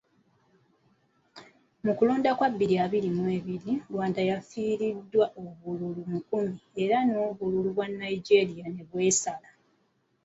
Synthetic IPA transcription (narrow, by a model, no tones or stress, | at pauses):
mukuluːndakwabːiɾiaβiɾimwe̞ːβiɾilwaːndajafiːɾidːwaʔoβululumukumie̞ɾano̞ːβululuβwanːaiɟe̞ɾijane̞βwe̞ːsala